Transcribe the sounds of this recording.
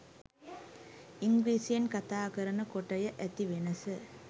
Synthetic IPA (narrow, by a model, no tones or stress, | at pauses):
iŋɡɾiːsijɐnkɐt̪aːkɐɾɐɳɐkoʈːɐjɐʔæt̪iʋenɐsɨ